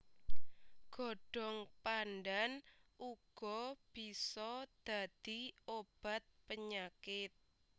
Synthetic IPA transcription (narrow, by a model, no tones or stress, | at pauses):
ɡ̥ɔ̤ɖ̥ɔ̤ŋpanɖanʔuɡ̥ɔb̥i̤sɔd̪̥a̤d̪̥iob̥a̤t̪̚pəɲakɪt̪̚